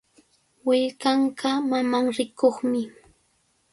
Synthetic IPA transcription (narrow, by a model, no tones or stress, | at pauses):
wɪʎkaɴɢamamaŋɾɪkoχmɪ